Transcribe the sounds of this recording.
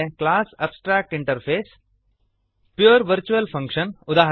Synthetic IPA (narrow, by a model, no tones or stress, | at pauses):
eklaːsɐbsʈɾaːk̚ʈɪ̃ɳʈɐɾpʰeːs | pjuːɾʋɐɾt͡ʃuɐlfʰɐ̃ŋkʃənʊd̪aːɦ